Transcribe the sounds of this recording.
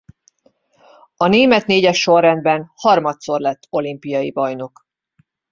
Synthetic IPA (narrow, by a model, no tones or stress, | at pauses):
ɒneːmɛt̪neːɟɛʃːo̞rːɛnd̪bɛnhɒrmɒt̪so̞rlɛt̪ːo̞limpijɒjibɒjno̞k